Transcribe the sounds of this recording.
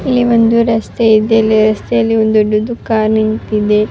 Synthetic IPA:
ilːiond̪uɾɐst̪eid̪elːiɾɐst̪ɐjɐlːiond̪oɖːud̪ukaːɾnint̪id̪e

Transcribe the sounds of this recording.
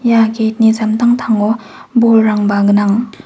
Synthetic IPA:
jaket̚nizamtʰaŋtʰaŋɔ | bolɾaŋbaɡɯnaŋ

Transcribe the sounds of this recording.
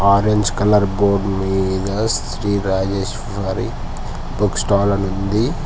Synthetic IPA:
aːɾeɲd͡ʒkɐlɐɾboːɾɖmiːd̪ɐssɾiːɾaːd͡ʒeːʃ | fɐɾi | buksʈaːlɐnund̪i

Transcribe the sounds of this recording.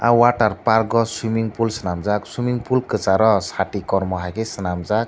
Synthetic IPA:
awaʈarparɡɔswimiŋɡpulsənamd͡zaksimiŋpulkət͡saɾʌsaʈikɔɾmɔɦakesənamd͡zak̚

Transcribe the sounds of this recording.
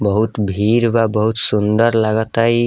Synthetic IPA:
bʌɦut̪bʱiɾbabʌɦut̪sund̪ʌɾlaɡʌt̪aj

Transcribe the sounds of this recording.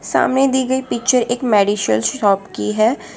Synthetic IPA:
sa̰ːmnẽd̪iːɡəipɪk̚t͡ʃəɾeːkmɛːɖiʃəlsɔːpkiɦɛː

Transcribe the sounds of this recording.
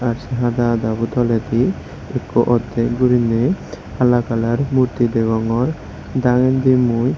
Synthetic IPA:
aɾsɛɦad̪ad̪abut̪ɔlet̪i | ekɔʔɔd̪ekɡuɾine | alakalaɾmuɾt̪id̪ɛɡɔŋɔɾ | d̪aŋend̪imuj

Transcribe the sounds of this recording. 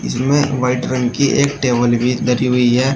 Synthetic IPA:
ɪ̰smḛ̃ʋaɪʈɾɐ̃ŋɡkiʔeːkʈeːbəlbʱid̪ɐɾiɦʊiɦɛː

